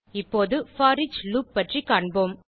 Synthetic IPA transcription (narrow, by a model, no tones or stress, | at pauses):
ɪpːoːðɯfaːɾɪd͡ʒluːpːɐʈrikaːɳboːm